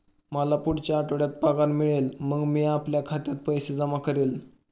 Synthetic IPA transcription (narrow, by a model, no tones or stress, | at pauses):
məlapuɽt͡ɕjaːʈoɽjat̪̚paɡaɾmiɭelməɡmiːapljakʰat̪jat̪̚pəjsed͡zəmakəɾiːl